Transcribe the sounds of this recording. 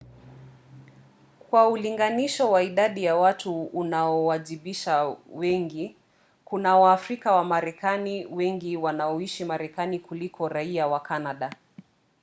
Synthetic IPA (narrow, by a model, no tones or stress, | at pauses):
kwauliŋɡaniʃɔwaiɗaɗijawatuːnaɔwaʄiɓiʃawɛŋɡi | kunawaːfɾikawamaɾɛkaniwɛŋɡiwanaɔiʃimaɾɛkanikulikʰɔɾaiawakanaɗa